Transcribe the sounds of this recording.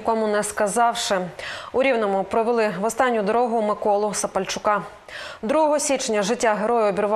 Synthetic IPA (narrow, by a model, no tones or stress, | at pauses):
kɔmʊnɛskɐzɑwʃɪʊɾʲiwnɔmʊpɾɔʋelˠɪʋɔst̪ɑnʲːʊd̪ɔɾɔɦʊmɪkɔlˠʊsɐpɐlʲt͡ʃʊkɑ | d̪ɾuɦɔɦɔsʲit͡ʃnʲɐʒɪtʲːaɦeɾɔjʊɔbʲiɾʊʋ